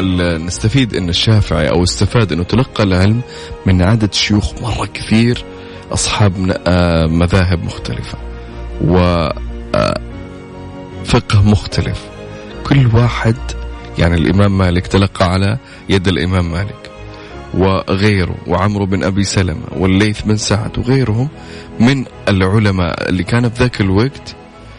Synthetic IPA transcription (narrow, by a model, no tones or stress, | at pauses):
nɪst̪afiːd̪ʔɪnːaʃːaːfɪʕḭʔa̰wɪst̪afaːd̪ʔɪnːʊt̪alɑqːɑlʕɪlmː | ɪnʕad̪ad̪ʃʊjuːxmɑrˤːɑkɪ̥θiːɾ | ʔɑsˤħɑːb | maðaːɦɪbmʊxt̪alɪfḁ | wɪ̰ | fɪqhmʊxt̪ʰalɪf | kʰʊlːwaːħɪd̪ja̰ʕnilʔɪ̰maːmːaːlɪkt̪alɑqːɑʕala | jad̪alʔɪmaːmːaːlɪk | wɪɣeːɾṵwɪʕamɾbɪnʔabisala̰ma̰wɪlːeːθmɪnsaʕa̰t̪wɣeːɾhʊmː | ɪn | ɪlʕʊlama̰ːʔɪ̰lːikaːnafiðaːkɪlwaɡt̪